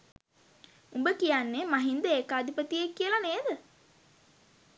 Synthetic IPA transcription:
umbəkijanːemaɦind̪əekaːd̪ʱipət̪iekːiəlaneːd̪ə

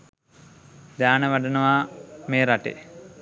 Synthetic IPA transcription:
d̪aːnəʋaɖənəʋameːɾaʈḛ

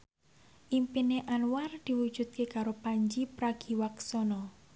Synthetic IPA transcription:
ʔimpineʔanward̪̥i̤wu̥ʒ̥ṳt̪̚kekaɾopaɲd͡ʒipɾaɡ̥i̤waksɔnɔ

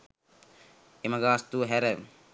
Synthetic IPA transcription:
emaɡaːst̪uːɦɛɾə

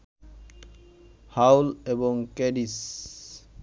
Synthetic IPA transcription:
hawlebɔŋkeɖis

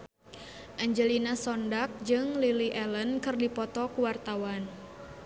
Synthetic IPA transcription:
ʔaɲd͡ʒəlinasɔndak̚d͡ʒɨŋliliʔɛlənkɨrdipɔt̪ɔkuwart̪awan

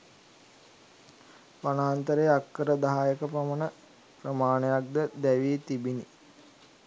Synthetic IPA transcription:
panaːnt̪əɾejakːəɾəd̪aɦajəkəpamənə | prəmaːnejak̚d̪əd̪æʋiːt̪ibini

